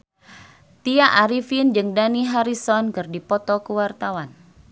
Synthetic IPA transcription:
t̪iaʔaɾifind͡ʒɨŋdaniɦaɾisɔnkɨrdipɔt̪ɔkəwart̪awan

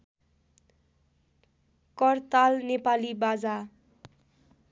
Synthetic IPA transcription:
kʌrt̪alnepalibad͡za

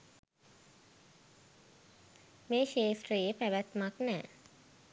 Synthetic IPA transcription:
meːʃeːsʈrijepæʋæt̪maknɛː

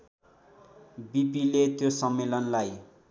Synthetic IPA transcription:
bipilet̪josʌmːelʌnlaj

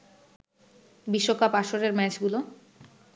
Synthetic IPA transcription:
biʃːokapaʃoɾeɾmɛt͡ɕɡulo

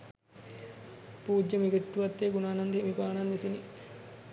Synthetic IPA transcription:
puːd͡ʒːəmiɡeʈːuʋat̪ːeːɡunaːnand̪ʱeimipaːnanʋisini

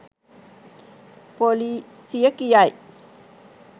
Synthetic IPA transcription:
poli | sijəkijaj

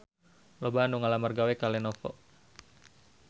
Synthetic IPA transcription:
lɔbaanuŋalamarɡawɛkalɛnɔfɔ̰

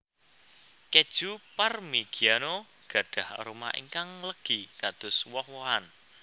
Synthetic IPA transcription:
ked̥ʒ̥uparmiɡ̥iano | ɡ̥a̤ɖ̥a̤hɾuma̰ḭŋkaŋləɡ̥ikad̪̥ʊ̤swɔhwoɦan

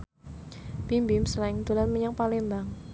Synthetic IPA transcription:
b̥imbimsəlaɪŋd̪ulanməɲaŋpalembaŋ

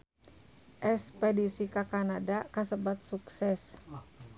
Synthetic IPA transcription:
ʔɛspɛdisikakanadakasəbat̪̚suksɛs

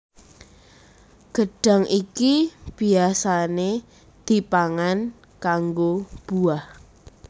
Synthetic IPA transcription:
ɡ̥əɖ̥a̤ŋʔikib̥iasane | d̪̥i̤paŋan | kaŋɡob̥uah

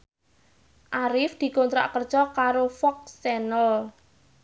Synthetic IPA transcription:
ʔaɾɪfd̪̥i̤kont̪ɾa̰ʔkər̥ʒ̥ɔkaɾofɔk̚sɛnəl

